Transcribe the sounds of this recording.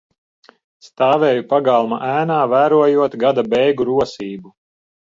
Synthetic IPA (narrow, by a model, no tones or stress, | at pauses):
st̪aːvɛːjupaɡalˠma̰ʔæːnaːvæːɾuɔjuɔt̪ɡad̪abɛjɡuɾuɔsiːbu